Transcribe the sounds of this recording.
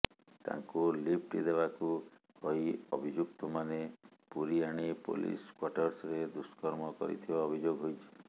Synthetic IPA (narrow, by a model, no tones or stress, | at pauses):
t̪a̰ŋkulip̚ʰʈid̪ebaku | hojɔbʱid͡ʒuk̚t̪ɔmanepuɾiaɽ̃ipo̰lḭskwaʈɔɾsɾed̪uskɔɾmɔkɔ̰ɾḭt̪ʰibaɔbʱid͡ʒoɡɦojt͡ʃʰi̥